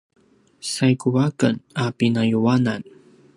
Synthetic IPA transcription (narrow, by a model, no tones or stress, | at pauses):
sajkuwakənapinajuwanan